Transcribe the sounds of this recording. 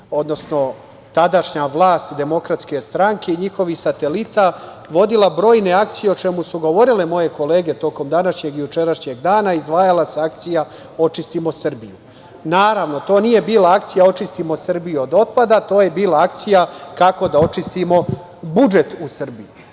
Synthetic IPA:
o̞d̪no̞sno̞ | t̪ad̪aʃɲaʋlˠaːst̪d̪e̞mo̞kɾat̪ske̞st̪ɾaŋke̞iɲixo̞ʋixsat̪e̞lit̪a | ʋo̞d̪ilˠabɾo̞ːjne̞akt̪sije̞o̞t͡ʃe̞musuɡo̞ʋo̞ɾile̞mo̞je̞ko̞le̞ːɡe̞t̪o̞ko̞md̪anaʃɲe̞ɡijut͡ʃe̞ɾaʃɲeɡd̪aːnaizd̪ʋaːjalase̞ak̚t̪sija | o̞t͡ʃist̪imosr̩biju | naːɾaʋno̞t̪o̞ːnije̞biːlaakt̪sijao̞t͡ʃist̪imo̞sr̩bijuod̪o̞t̪̚pad̪at̪o̞ːje̞biːlˠaak̚t̪sijakako̞d̪ao̞t͡ʃist̪imo̞ | bud͡ʒe̞t̪usr̩biju

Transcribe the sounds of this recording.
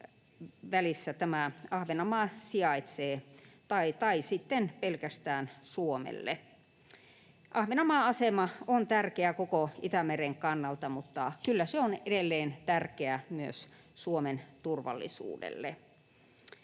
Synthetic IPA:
ʋælisːæt̪æmæɑhʋenɑmɑsiɑit̪seːt̪ɑit̪ɑisit̪ːenpelkæst̪æːnsuomḛlːḛ | ʔɑhʋenɑmɑɑsemɑont̪ærkeækokoʔit̪æmereŋkɑnːɑlt̪ɑmut̪ːɑkylːæseonedelːeːnt̪ærkeæmyøs | suoment̪urʋɑ̰lːḭsṵːdḛlːḛ

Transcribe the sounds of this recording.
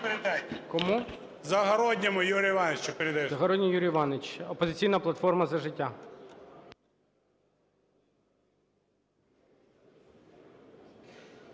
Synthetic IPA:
peɾɪd̪ɛkɔmu | zɐɦɐɾɔdʲnʲɐmʊjuɾʲijʋɑnet͡ʃt͡ʃɔpeɾeɪd̪ɐjzɐɦɔɾɔdʲnʲijuɾʲijʋɑnet͡ʃɔpɔzɪt͡sʲijnɐplˠɐt̪fɔrmɐzɐʒɪtʲːa

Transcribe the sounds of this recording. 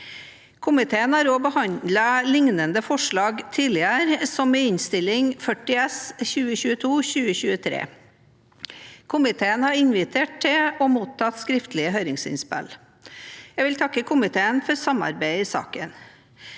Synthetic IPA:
kʰʊmɪt̪ʰeːənæːɾɔːbəhɑnd̪ləlɪŋnənd̪əfɔʂɭɑːɡt̪ʰiːlɪəɾsɔmɛɪnst̪ɪlɪŋfœʈɪɛsçʉːəçʉːət̪ʰuːçʉːəçʉːət̪ʰɾḛː | kʰʊmɪt̪ʰeːənhɑɾɪnʋɪt̪ʰeːʈ̚t̪ʰɪɔmuːt̪ʰːɑt̪skɾɪft̪lɪəɦœʏɾɪŋsɪ̰nspɛ̰l | jɛɡʋɪlt̪ʰɑkːəkʰʊmɪt̪ʰeːənfɔɾsɑmɑ̰ɾbæɪɪsɑ̰ːkən

